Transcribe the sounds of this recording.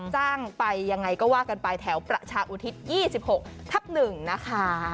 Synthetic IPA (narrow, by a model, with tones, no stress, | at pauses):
t͡ɕaː˥˩ŋpa˧jːa˧ŋːa˧jkɔː˥˩waː˥˩ka˧npa˧jt̪ʰɛː˩˦˥wpɾa˨˩t͡ɕʰaː˧ʔuː˧˩t̪ʰi˦˥t̪̚jiː˥˩si˨˩p̚ho˨˩k̚t̪ʰa˦˥p̚nɯ˨˩ŋna˦˥kʰa˦˥